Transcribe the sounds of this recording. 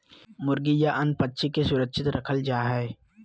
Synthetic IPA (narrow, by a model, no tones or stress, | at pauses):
mʊɾɡijaʔɐnpətːʃʰikesʊɾəkʃʰɪt̪ɾɐkʰəld͡ʒaːɦɛː